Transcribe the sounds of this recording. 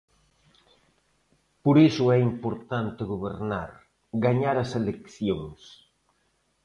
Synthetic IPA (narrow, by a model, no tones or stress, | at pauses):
poɾesʊɛimpoɾt̪ant̪ɪɣoβ̞ḛɾnaɾ | ɡaɲaɾɐselekθjoŋs